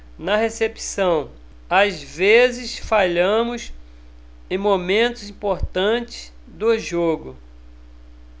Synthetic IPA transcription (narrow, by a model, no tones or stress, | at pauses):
nɐɦesepi̥sɐ̃w̃ | azvezɪsfaʎɐ̃mʊs | ẽj̃momẽnt̪ʊzĩpoɾt̪ɐ̃t͡ʃɪ̥s | d̪ʊʒoɡʊ